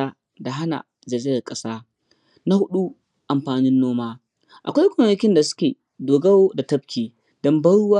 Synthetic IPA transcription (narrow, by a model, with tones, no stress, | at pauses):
aː˦ | da˨ɦa˦na̰˨ | zɐ˨zɪ˦jɐ˨rkʼɐ˦saː˦ | na˦hʊ˦ɗu˦ | ʔa˨mɸaː˨nɪ˦nːoː˦maː˦ | ʔa̰˨kʷa˦jkʷoː˨nɐ˦kʲɪ˦nda˨sʊ̥˦kʲeː˨ | doː˨ɡɐ˦woː˦da˨tɐ˦bkʲiː˨ | d̥ɔ˦mbɐ˦ɽʊ˦waː˦